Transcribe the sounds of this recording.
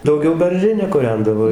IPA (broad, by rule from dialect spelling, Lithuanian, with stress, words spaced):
dɐʊˈɡʲɛʊ bʲɛrʲˈʒʲɪnʲɛ kʊˈrʲɛndɐʋoː